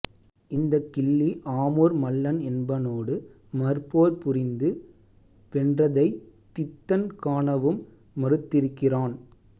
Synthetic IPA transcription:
ɪnd̪ɐkːɪɭːiʔaːmoːɾmɐlːɐnɛnbɐnoːɽɯ | mɐɾpoːɾpʊrɪnd̪ɯ | pɛndrɐðɐɪ | t̪ːɪt̪ːɐnkaːɳɐʋɯmː | ɐɾɯt̪ːɪɾɯkːɪraːn

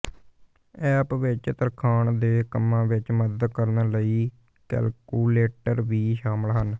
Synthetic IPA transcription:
ɛːpʋɪt͡ʃt̪əɾkʰaːɳd̪eːkəmːãːʋɪt͡ʃməd̪əd̪kəɾnləiː | kɛ̰ːlkuːleːʈəɾʋiːʃaːməlɦən

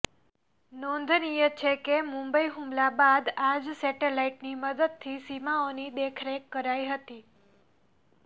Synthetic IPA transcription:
nɔ̃nd̪ʱnijət͡ʃʰekemũmbəiɦũmlabad̪ad͡ʒsɛʈelaiʈniməd̪əd̪̚t̪ʰisimaonid̪ekʰɾekːəɾaiɦət̪i

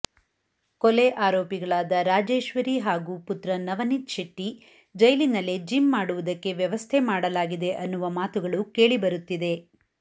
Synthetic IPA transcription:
kɔleʔaːɾoːpiɡɐɭaːd̪ɐɾaːd͡ʒeːʃʋɐɾiɦaːɡuːput̪ɾɐnɐʋɐnit̪ʃɐʈːi | d͡ʒɐjlinɐled͡ʒimːaːɽuʋud̪ɐkːe̞ʋjɐʋɐst̪ʰemaːɽɐlaːɡid̪e̞ʔɐnːuʋɐmaːt̪uɡɐɭuke̞ːɭibɐɾut̪ːid̪e̞

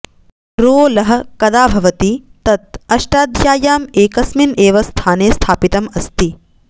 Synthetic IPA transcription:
ɾoːlɐɦɐ̆kɐd̪aːbʱɐʋɐt̪it̪ɐt̪̚ɐʃʈaːd̪ʱjaːjaːmeːkɐsmineːʋɐst̪ʰaːneːst̪ʰaːpit̪ɐmɐst̪i

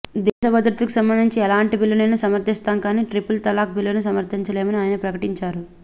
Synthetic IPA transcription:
d̪ɛːʃɐbɐd̪ɾut̪ulku̥sɐmbɐnd̪iɲt͡ʃiɛlaːɳʈibilːɐnɐjnusɐmɐɾt̪ʰist̪aːnkaːniːʈɾipult̪ɐlaːk̚bilːɐnusɐmɐɾt̪ʰiɲt͡ʃɐle̞ːmɐniaːjɐnɐpɾɐkɐʈiɲt͡ʃaːɾu

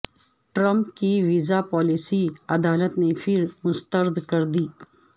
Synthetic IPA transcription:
ʈɾə̃mpkiʋiːzapɔːlɪsiɐd̪aːlət̪nefʰɪɾmʊst̪əɾd̪ʱkɐɾd̪iː

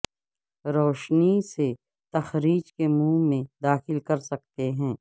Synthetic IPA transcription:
ɾɔːʃnise | t̪ɐxɾiːd͡ʒkemũːmẽd̪aːxɪlkɐɾsɐk̚t̪eɦɛ̃ː

